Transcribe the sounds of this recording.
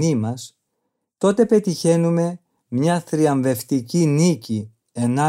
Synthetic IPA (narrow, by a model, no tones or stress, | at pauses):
imɐs | t̪o̞t̪e̞pe̞t̪içe̞nume̞ | mɲɐθɾiɐɱve̞ft̪icinici | e̞nɐ